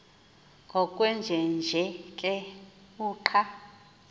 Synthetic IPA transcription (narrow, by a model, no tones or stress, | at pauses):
ŋɡʱɔkʼwɛnd͡ʒʱɛnd͡ʒʱɛkʼɛ | uːǃʰa